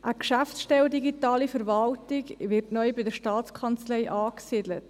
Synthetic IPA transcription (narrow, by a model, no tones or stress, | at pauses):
ʔəkʃæftsʃtɛwdiɡitɑːlifəɾvɑltɪɡʋɪrtnœʏbɪdəʃtɑːtt͡skʰɑnt͡slɛɪʔɑːksidlət